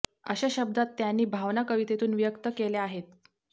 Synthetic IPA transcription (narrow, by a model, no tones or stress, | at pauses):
ə̰ɕaɕəb̚d̪at̪ːjanːiːbʱaʋnakəʋit̪et̪uːnʋijəkt̪əkeleaɦet̪